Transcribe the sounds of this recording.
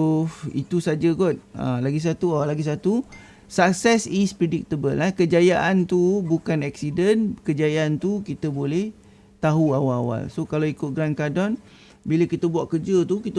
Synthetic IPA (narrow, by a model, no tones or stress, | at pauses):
oḭt̪usad͡ʒəkɔt̪̚ə̰̃laɡis̬at̪uawalaɡis̬at̪u | sak̚sɛsispɾedik̚t̪əbəlahkəd͡ʒajaʔant̪ubukanɛksidənkəd͡ʒajaant̪ukit̪əbolɛh | t̪aɦuawalawa̰lsokalawikʊt̪̚ɡɾankadɔn | biləkit̪əbuaʔkərd͡ʒət̪ukit̪ə